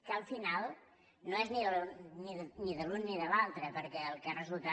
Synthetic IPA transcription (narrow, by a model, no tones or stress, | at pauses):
kəəlˠfinalˠ | noɛzniðəlniðniðəlunːiðəlalˠt̪ɾəpəɾkɛəlˠkarəzulˠt̪a